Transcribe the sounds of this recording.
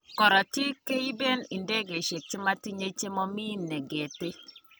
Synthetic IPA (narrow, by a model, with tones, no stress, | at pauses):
kɔ˨ɾɔ˨ti˦ke˦i˦be˦ni˨nde˦ɡe˨ʃe˨k̚t͡ʃe˦ma˦ti˦ɲe˦t͡ʃe˦mɔ˦mi˦nːe˨ɡe˨te˦